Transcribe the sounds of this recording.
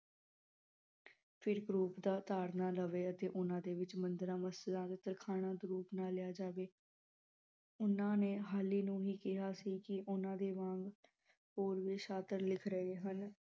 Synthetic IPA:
pʰɪɾɡɾuːpd̪aːt̪aːɾnãːləʋeːət̪eːʔʊnãːd̪eːʋɪt͡ʃmənd̪əɾãːməsəlãːd̪eːt̪əɾkʰaːɽ̃ãːd̪ɾuːpnaːlɪjaːd͡ʒaːʋeː | ʊnãːneːɦaːliːnũːɦiːkɪɦaːsiːkɪʔʊnãːd̪eːʋãːŋɡ | ɦoːɾʋiːʃaːt̪əɾlɪkʰɾəɦeːɦən

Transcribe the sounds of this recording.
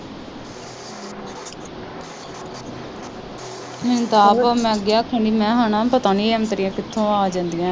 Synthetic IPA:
mɪnt̪aːpamɛ̃ːəɡɪjaːkʰə̃ːɳɖiːmɛ̃ːɦaːnãːpət̪aːniːɛːmt̪əɾiːãːkɪt̪ʰːõːaːd͡ʒãːnd̪iːãː

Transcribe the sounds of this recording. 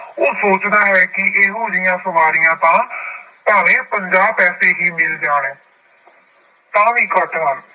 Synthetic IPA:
oːsoːt͡ʃd̪aːɦɛːkɪʔeːɦoːd͡ʒijãːsəmaːɾɪjãːt̪ãː | paːʋẽːpəɲd͡ʒaːpɛːseːɦiːmɪld͡ʒaːɽ̃ẽː | t̪ãːʋiːkət̪ɾaː

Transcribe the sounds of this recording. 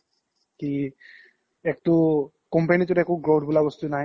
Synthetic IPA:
ki | ɛk̚tu | kɔmpenit̬ʊɾɛkuɡɹoʈʰbulabɔst̪una

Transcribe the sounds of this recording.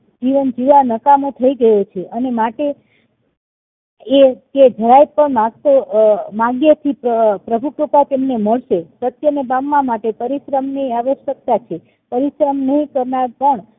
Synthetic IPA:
d͡ʒiʋənd͡ʒiʋanəkamõt̪ʰəiɡəjot͡ʃʰeʔənemaʈe | et̪ed͡ʒʱəɾajpəɳmaɡ̚t̪omaɡjət̪ʰipəpɾəbʱuʈokat̪emneməɭʃesət̪jənebamːãmaʈepəɾiʃɾəmnəaʋəʃjək̚t̪at͡ʃʰe | pəɾiʃɾəmnəɦĩkəɾnaɾpəɳ

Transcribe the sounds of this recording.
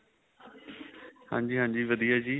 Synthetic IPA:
hã̰ːɲd͡ʒiːɦãːɲd͡ʒiːʋəd̪ijaːd͡ʒiː

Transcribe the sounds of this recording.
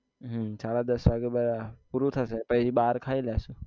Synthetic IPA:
ɦsaːɽad̪əsʋaɡeɓəɾapuɾut̪ʰasepəɦid͡ʒiɓaːɾkʰaːilaːsũː

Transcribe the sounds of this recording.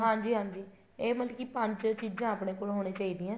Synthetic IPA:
ɦãːɲd͡ʒiːɦãːɲd͡ʒiː | eːmələkiːpəɲd͡ʒt͡ʃiːd͡ʒãːaːpɽeːkoːlɦoːɽ̃eːt͡ʃaːiːd̪iːɛ̃ː

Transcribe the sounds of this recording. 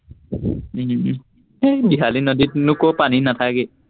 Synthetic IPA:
ebiɦalinɔdinukopaninat̪ʰake

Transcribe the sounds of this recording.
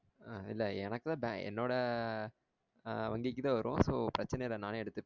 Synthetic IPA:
aɪlːɐɛnɐkːɯt̪ãːbɛ̰̃ɛ̰nːoːɽɐ | ʋɐŋɡɪkːɯt̪ãːʋɐɾɯõ̰soːpɪɾɐt͡ʃːɪnɐjɪlɐnaːneːɛɽɯt̪ːɯ

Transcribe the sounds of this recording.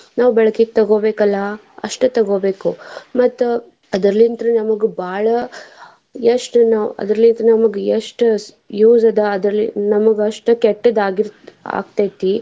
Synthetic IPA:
naːʋbɛɭɐkik̚t̪ɐɡoːbeːkɐlːɐ | ɐ̰ʂʈut̪ɐɡoːbeːkumɐt̪ːu | ɐd̪ɐɾɐlint̪ɾɐnɐmɐɡubaːɭɐ | jeʂʈnaːʋɐ̰d̪ɐɾɐlint̪ɾɐnɐmɐɡeeʂʈ | juːzɐd̪ɐːd̪ɾɐlinɐmɐɡɐʂʈɐkeʈːɐd̪aːɡiɾa̰ːɡt̪ajt̪ːi

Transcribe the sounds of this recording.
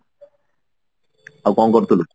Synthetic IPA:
akɔŋɡɔɾt̪olo

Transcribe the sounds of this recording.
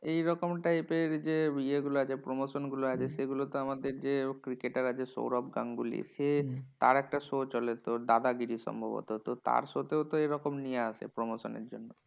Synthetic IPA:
ejɾɔkomʈajpeɾd͡ʑeieɡuloat͡ɕʰepɾomoʃonɡuloat͡ɕʰeʃeɡulot̪oamad̪eɾd͡ʑekɾikeʈaɾat͡ɕʰeʃo̰wɾɔbɡaŋɡulḭʃet̪a̰ɾɛk̚ʈaʃot͡ɕɔlet̪od̪ad̪aɡiɾiʃɔ̰mbʱo̰bo̰t̪ot̪ot̪a̰ɾʃot̪ewt̪oeɾɔkomnijeasʰḛpɾomoʃonḛɾd͡ʑo̰nːo

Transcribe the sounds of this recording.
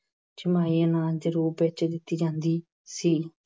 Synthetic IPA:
t͡ʃɪmaːiːanãːd͡ʒəɾuːɾbeːt͡ʃːd̪ɪt̪ːiːd͡ʒãːnd̪iː | siː

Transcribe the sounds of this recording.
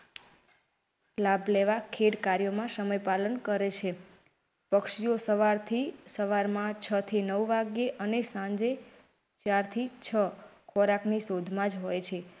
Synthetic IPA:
lableʋakʰeɽkaɾjomãsəməjpalənkəɾet͡ʃʰe | pəkʃijosəʋaɾt̪ʰisəʋaɾmãt͡ʃʰət̪ʰinəʋʋaɡjeʔənesãd͡ʒe | t͡ʃaɾt̪ʰit͡ʃʰəkʰoɾaknisod̪ʱmãd͡ʒɦojt͡ʃʰe

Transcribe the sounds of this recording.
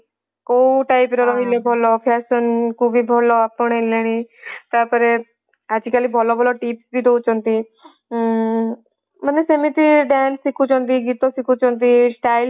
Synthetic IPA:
kouʈaːɪpɾɔɾɔɦilebʱɔlɔpʰɛːʃənkubʱibʱɔlɔapːoɽ̃eleɽ̃iːt̪apəɾe | ad͡ʒikalibʱɔlɔbʱɔlɔʈiːpsbʱid̪out͡ʃɔ̃nt̪i | mənːesemĩt̪iɖɛːnsːikʰut͡ʃɔ̃nt̪iɡit̪osikʰut͡ʃɔ̃nt̪isʈaːɪl

